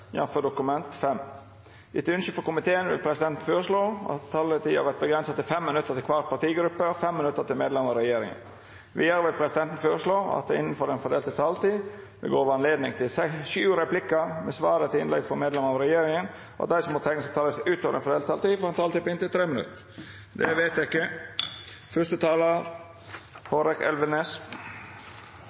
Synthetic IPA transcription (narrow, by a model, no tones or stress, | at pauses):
jɑ̰fəɖʊkʉmɛnt̪fɛm | ɪt̪əʉnʃʏfɔkʊmɪt̪ʰeːənʋɪ̰lpʰɾɛsɪd̪ɛnt̪n̩føːɾəʂɭoːʔɑ̰t̪ʰːɑːlət̪ʰiːɑ̰ʋæt̪̚bəɡɾɛnsɑt̪ɪlfɛmːɪnʉt̪ːəɾt̪ɪlkʰʋɑɾt̪̚pʰɑt̪iːɡɾʉpːəɔfɛmːɪnʉt̪ːət̪ʰɪlmeːd̪lɛmɑɾɛjeːɾɪ̰ŋə̰n | ʋɪjəɾʋɪlpʰɾɛsɪd̪ɛnt̪ən̩føːɾəʂɭoːɑ̰t̪̚d̪ɛɪnːən̩fɔɾɛnfɔɖ̪eːlt̪ət̪ʰɑːlt̪iː | d̪ɛ̰ɡoːʋəɑnleːd̪nɪŋt̪ʰɪlsɛsʉːɾɛplɪkːəmɛsʋɑːɾət̪ʰɪɪnlɛ̰ɡfɔɾmeːd̪lɛməɑʋɾɛjeːɾɪŋən | ʔɔ̰ɑt̪̚d̪æɪsɔmɔt̪ʰɛŋːəsɛt̪ʰɑːləsʔʉːt̪oːʋəɾɛnfɔd̪eːlt̪ʰɑlt̪iːfɔɾɛnt̪ʰɑːlt̪iːpɪnt̪ɪlt̪ʰɾeːmənʉ̰t̪ːə | d̪ɛ̰ʋeɪt̪æɪkːə | fœʂt̪ət̪ʰɑːlə | hoɾɛkɛ̰lʋənes